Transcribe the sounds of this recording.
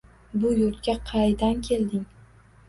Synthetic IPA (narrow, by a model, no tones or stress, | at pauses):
bʊjʊɾt̪̚kʲaqʰɑjd̪ankʲʰe̞ld̪ɪŋ